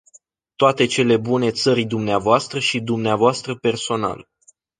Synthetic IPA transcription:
t̪oat̪e̞t͡ʃe̞le̞bune̞t̪səɾijd̪umneavoast̪ɾəʃid̪umneavoast̪ɾəpe̞rso̞na̰l

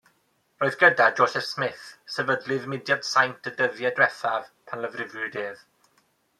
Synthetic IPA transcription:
roːɨðɡədad͡ʒoːsɛfsmɪθsɛvədlɪðmɪdjad̥sajntʰədəðjɛdwɛθav̥pʰanləvrɪvʊdeːv

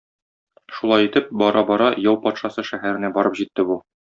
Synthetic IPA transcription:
ʃulˠɑjit̪ɘp̚bɒɾɑbɒɾɑjɒwpɒt̪ʃɑsɤʃæɦæɾɘ̆næbɒɾɤpʑit̪ːɘbu

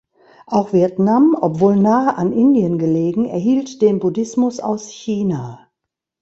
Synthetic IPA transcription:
ʔaʊxv̥iɛɐtnamɔpv̥oːlnaːəʔanʔɪndiənɡəleːɡŋ̩ɛ̰ɐɦiːltd̥eːnbudɪsmʊsa̰ʊsçiːna

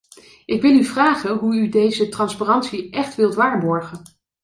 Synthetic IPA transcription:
ʔɪkʋɪlˠyvraːχənɦuydejzətrɑnsparɑntsiʔɛχtʋɪlˠtʋaːɹbɔɹχən

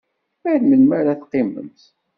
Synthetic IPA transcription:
æɾməlmæɾæθqːɪmə̰mt̪

